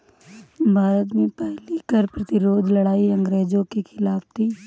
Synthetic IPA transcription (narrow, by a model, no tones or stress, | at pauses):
bʱaːɾət̪mẽpɛɦlikəɾpɾɐt̪ɪɾoːd͡ʒlɐɽaːiɐ̃ŋɡɾeːd͡ʒõkexʰɪlaːbt̪ʰiː